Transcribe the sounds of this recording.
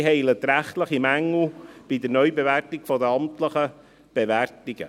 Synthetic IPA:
ɦɛɪlət̪ɾæχt̪ləχimæŋːl̩b̥ɪd̪əɾnœʏbeværtɪkfɔdəɑmt̪ləχə | b̥eʋærtiɡ̥ə̰

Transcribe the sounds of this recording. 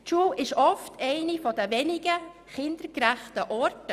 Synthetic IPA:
t͡ʃuːʔɪʃɔftʰɛɪnifɔdəvɛnɪɡə | χɪnd̥əɾkræχtəʔɔɾtə

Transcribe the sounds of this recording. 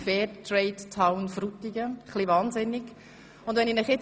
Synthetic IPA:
fɛːtɾɛɪttʰaʊnfɾutːiɡəχliʋɑːnzɪnɪɡ | ʊndvʋɛninəχjɪt͡s

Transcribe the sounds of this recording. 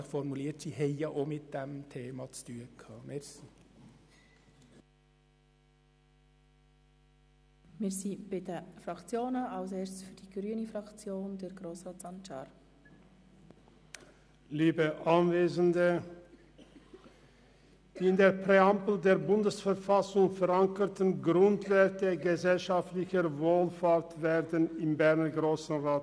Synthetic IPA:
fɔɾmuliːtdiheɪɑʔoːmɪt̪̚d̥̪ɛmt̪ʰeːmɑt͡sd̥yːəkʰɑːmɛɾsi | mɪːɾsiːb̥ɪdəfɾɑkt͡sjoːnəɑlseːɾssfyːɾd̥iɡ̥ɾyːənifɾɑkt͡sjoːndɛɾɡɾoːsʁɑːtsɑnʃɑːɾ | liːbəʔanveːzndə | d̥iːɪndeːɐpʁeampl̩deːɐbʊndəsfɛʁfasʊŋfɛʁaŋkətn̩ɡʁʊntv̥ɛɐtəɡəzɛlʃaftlɪçəvoːlfaːʁtvɛːʁdənɪmbɛʁnəɡʁoːsn̩ʁaːt

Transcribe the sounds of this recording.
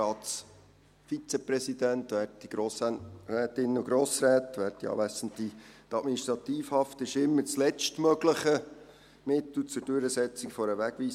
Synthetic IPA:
ɑːtt͡s | fit͡sepɾɛsid̥ænt̪ʋæːrtːiɡ̥ɾoːsrɛːt̪ɪnːəʊɡɾoːsɾɛːtʋæːrtiɑ̰ːʋæsən̩t̪itɑtminiʃt̪ɾɑt̪iːfhɑftɪʃɪmːəɾt͡slɛt͡ʃtmœɡləχə | mɪt̪l̩t͡sʊɾd̥øɾəsɛt͡sikfɔɾəʋæɡ̥ʋiːs

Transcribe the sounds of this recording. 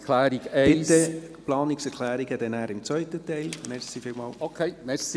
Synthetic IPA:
kʰlæːɾiɡeɪtːə | plɑːnɪksɛɾkʰlæːɾiɡ̥ədɛnæːɾɪmt͡svœʏt̪ət̪ɛɪlmɛɾsifɪlmɑːlokʰeɪmɛsi

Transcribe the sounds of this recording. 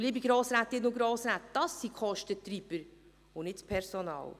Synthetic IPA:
liːbiɡɾoːsɾæt̪ɪtnʊɡɾoːsɾæt̪d̥ɑsːikχɔʃtət̪ɾib̥əɾ | ʊnɪtspʰɛɾsonɑ̰ːl

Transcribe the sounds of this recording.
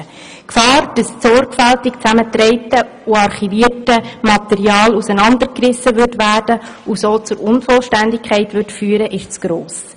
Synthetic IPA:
kfɑːrd̥ɑssɔɾɡfæltɪkt͡sæmətɾɛɪtə | uɑɾχiʋiːrtəmɑt̪ɛɾiɑːlusənɑndəɾkrɪsːəʋʏɾtʋæːrd̥əusoːt͡sʊɾʊnfɔlʃtændɪkʰχɛɪtʋʏtfyːɾəʔɪʃt͡sɡ̥ɾoːs

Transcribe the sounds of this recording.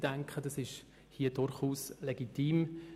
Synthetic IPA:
d̥æŋkχəd̥ɑsɪʃ | hiəd̥ʊɾχuːslɛɡitiːm

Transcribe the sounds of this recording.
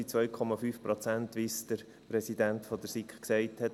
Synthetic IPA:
it͡sʋœʏkʰɔmɑfyːfpɾɔt͡sænt̪ʋisd̥əɾ | pɾɛsidæntfɔd̪əɾsikχksɛɪthɛt

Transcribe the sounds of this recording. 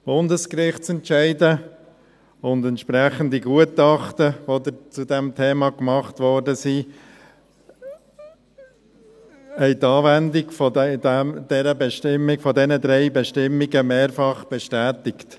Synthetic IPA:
b̥ʊndəskrɪχtt͡sɛntʃɛɪdə | ʊndɛntʃpɾæχəndiɡuətɑχtəʋod̪ət͡sudɛmtʰeːmɑkmɑχtʋɔɾdəsi | ɛɪt̪ɑːvændɪɡfɔdɛdɛmd̥ɛɾəbɛʃtɪmːikfɔdɛnəd̪ɾɛɪbɛʃtɪmːiɡəmeːɾfɑχb̥ɛʃtæːtɪkt

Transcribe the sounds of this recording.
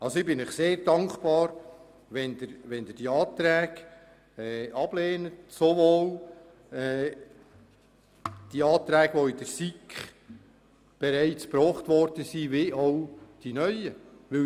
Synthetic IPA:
ɑlsoɪbɪnɪχseːɾd̥ɑŋkb̥ɑːɾ | ʋɛnd̪əɾʋɛnd̪əd̥iɑːtɾɛːɡ̥ | ɛɑb̥leːnətsoʋoːl | ɛ | d̥iɑːt̪ɾæːɡ̥ʋoɪd̥əɾsikχ | b̥ɛɾæɪt͡spɾɔːχtʋɔɾd̥əsiːveʔaʊd̥inœʏəʋɪ

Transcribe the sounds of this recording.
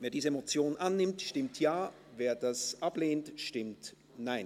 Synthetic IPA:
veːɐdiːzəemot͡sjoːnnʔanːɪmtʃtɪmtʰjaː | veːɐdasʔapleːntʃtɪmt | naɪn

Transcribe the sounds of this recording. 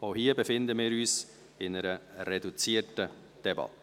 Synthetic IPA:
ohiːəbəfɪnd̪əmiːɾyːs | ɪnɛɾəɾedut͡siːətə | d̥ɛbɑ̰t

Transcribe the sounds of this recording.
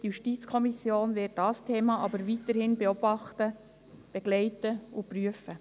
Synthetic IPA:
d̥ijuʃtit͡skʰɔmisjoːnvɪt̚dɑstʰeːmɑʔɑbəɾvitəɾhɪnbeɔb̥ɑχtə | b̥ɛɡ̥lɛɪtəʊpryəfə

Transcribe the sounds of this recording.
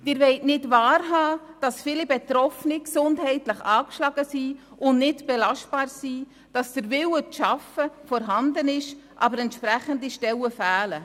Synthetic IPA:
mɪɾʋɛɪtnɪtvɑːɾɦɑːd̥ɑsfɪlibɛtɾɔfniksʊndɦɛɪtləχɑːkʃlɑɡ̥əsiː | ʊnnɪtb̥ɛlɑʃt̚b̥ɑːɾsiː | d̥ɑsd̥əɾvɪwəʃɑfəfɔɾɦɑndənɪʃʔɑ̰bəɾɛntʃpɾæχəndiʃtɛwəfæːlə

